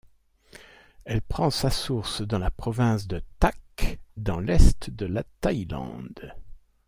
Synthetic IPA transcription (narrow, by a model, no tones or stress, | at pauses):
ɛlpχɑ̃sasuʁsd̪ɑ̃lapχɔvɛ̃sd̪ət̪akd̪ɑ̃lɛst̪d̪əlat̪ajlɑ̰̃d̪